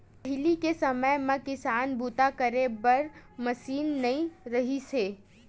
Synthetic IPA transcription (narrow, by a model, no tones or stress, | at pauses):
pəɦɪlikesɐməjmẽkɪsaːnbuːt̪akɐɾebɐɾmɐsiːnːɐĩɾɐɦiseː